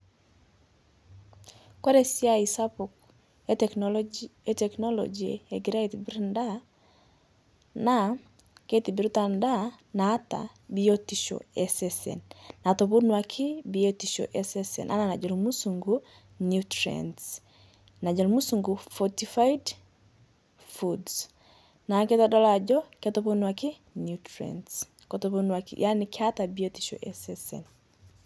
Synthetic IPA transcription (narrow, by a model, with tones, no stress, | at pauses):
kwa˦ɾe˦si˦a˦i˨sa˦po˨k | e˦tɛ˨knɔ˦lɔ̰d͡ʒḛ˨e˨ɡi˨ɾa˦e˨ti˨bi˦ɾnda˦ | na˨ | ke˦ti˨bi˨ɾu˦ta˨nda˦naː˨˦ta̰˨ | bi˦o˦ti˨ʃɔ̰˨ɛ˦sɛsɛ̰˨nna˨to˨βu˦nwa˨kʰɪ˦biɔtiʃɔ̰˨ʔɛsɛsɛ̰˨nʔa̰˦na˨na˨d͡ʒɔɾumu˦suŋɡu | njutɾɛ̰ns | na˨d͡ʒɔ˨lumu˦suŋɡufɔtifaid | fuds | na˨kɛ˦ta˦dɔ˦la˨d͡ʒɔ˦kɛtɔ˦ponwa˨kɪ˦ | njutɾɛ̰ns | kɔtɔponwakḭjʔa˦nikɪ˦ata˨bi˦ɔti̥ʃɔ̰˨ʔɛsɛsɛ̰n